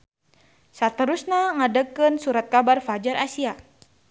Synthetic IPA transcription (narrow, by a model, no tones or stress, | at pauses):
sat̪əɾusnaŋadəkənsuɾat̪̚kabarfad͡ʒaɾʔasia